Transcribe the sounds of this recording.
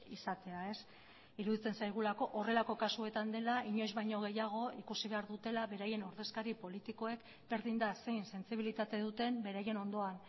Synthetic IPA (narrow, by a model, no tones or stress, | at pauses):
isat̪e̞ae̞s | iɾuðit͡se̞nsajɣ̞ulako̞ʔore̞lako̞kasue̞t̪and̪e̞laiɲo̞jzβajɲo̞ɣe̞jaɣ̞o̞ikusiβe̞aɾðut̪e̞laβe̞ɾaje̞noɾðe̞skaɾipo̞lit̪iko̞e̞k | be̞ɾðind̪ase̞jnse̞nt͡siβ̞ilit̪at̪e̞ðut̪e̞mbe̞ɾaje̞no̞nd̪o̞an